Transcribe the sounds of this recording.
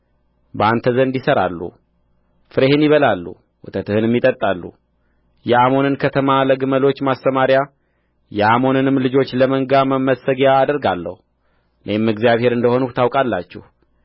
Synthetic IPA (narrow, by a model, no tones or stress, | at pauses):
bəant̪ʰəzənɨnd̪isəɾa̰lːṵ | fɨɾehɨnjɪβəlalːṵ | wɔt̪ʰət̪ɨhɨnmːit̪ʼət̪ʼːalːṵ | jɛamo̞nɨnkʰət̪ʰəmaləɡɨməlo̞t͡ʃːmast̪əmaɾja | jɛamo̞nɨnɨmːlɨd͡ʒo̞t͡ʃːləməŋɡaməmːəsəɡjaːd̪əɾɡalːə̰hu | ɨnʔemːɨɡzjaβhe̞ɾɨnd̪əho̞nut̪ʰawkʼalːa̰t͡ʃːɛ̰h